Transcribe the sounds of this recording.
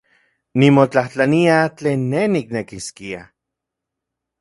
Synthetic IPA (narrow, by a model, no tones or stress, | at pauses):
nimot͡ɬaht͡ɬaniat͡ɬeːnːeniknekiskia